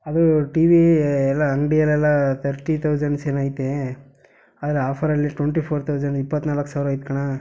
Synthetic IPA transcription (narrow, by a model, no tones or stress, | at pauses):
ɐd̪uʈiːʋiɛlːɐːŋɡɖijɐlɛlːɐt̪ʰɐɾʈit̪ʰɐwd͡ʒɐɳɖseːnaːjit̪ːe | aːd̪ɾeaːpʰɐɾɐlːiʈweɳʈipʰoːɾt̪ʰɐwd͡ʒɐɳɖipːɐt̪ːnaːlɐkːsaːʋɾuaːjit̪̚kɐɳa